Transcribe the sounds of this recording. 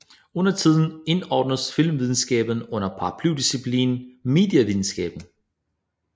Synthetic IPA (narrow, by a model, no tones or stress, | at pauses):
ɔ̽nɐt͡sʰið̞ˠn̩e̝nɒːd̥nəsfil̰mʋið̞ˠn̩sɡ̥ɛ̰ːb̥n̩ɔ̽n̰ɐpʰɑ̈pʰlud̥isipʰlḭːnme̝̰ːd̥jɐʋið̞ˠn̩sɡ̥ɛ̰ːb̥n̩